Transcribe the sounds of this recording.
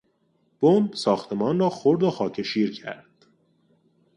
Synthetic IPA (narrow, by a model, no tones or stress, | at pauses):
b̥ombsɒːxt̪ʰe̞mɒːnrɒːxoɾd̪oxɒːcʰe̞ʃiːɾcʰæ̰ɾd̪̥